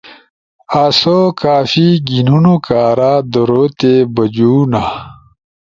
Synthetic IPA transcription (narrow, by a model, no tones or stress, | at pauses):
aːsokaːfiɡinunokaːɾad̪oɾoːt̪ebɐd͡ʑuːna